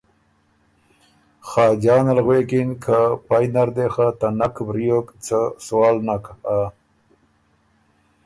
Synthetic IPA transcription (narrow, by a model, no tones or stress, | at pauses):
xɑːd͡ʒɑːnalɣwekinkʰapajnaɾd̪exat̪anakʰbɾijokt͡səswɑːlnaka